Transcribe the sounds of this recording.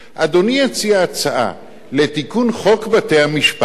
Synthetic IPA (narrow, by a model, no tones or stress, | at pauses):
ʔad̪o̞niat͡siaːt͡saʔa̰ | le̞t̪ikunχo̞kbat̪e̞jhamiʃpa